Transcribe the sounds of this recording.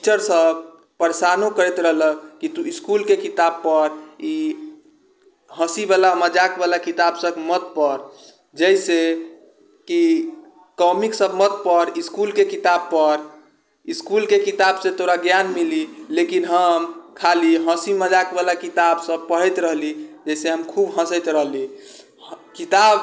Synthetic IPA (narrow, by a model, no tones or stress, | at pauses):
t͡ʃəɾsəb | pəɾesanokəɾɛt̪ɾəɦləkkit̪uiskulkekit̪ab̚pəɾi | ɦəsibalaməd͡ʒakbalakit̪absəbmət̪̚pəɾ | d͡ʒəjse | ki | kɔmiksəbmət̪̚pəɾiskulkekit̪ab̚pəɾ | iskulkekit̪absẽt̪oɾaɡjanmililekinɦəmkʰaliɦə̃siməd͡ʒakbalakit̪absəb̚pəɽɛt̪ɾəɦlid͡ʒəjseɦəmkʰubɦə̃sət̪ɾəɦli | kit̪ab